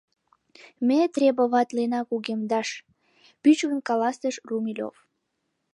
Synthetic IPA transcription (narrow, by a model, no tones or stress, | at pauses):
met̪rʲebəβɑt̪lenɑkuɣemd̪ɑʃ | pyt͡ɕɣənkɑlɑst̪əʃrumilʲo̰f